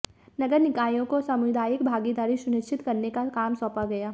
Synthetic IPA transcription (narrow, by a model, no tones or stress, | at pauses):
nɐɡəɾnɪkaːjõkosəmʊjd̪aːjɪkbʱaːɡid̪aːɾisʊnɪt͡ʃʰɪt̪kɐɾnekakaːmsɔ̃ːpaɡɐjaː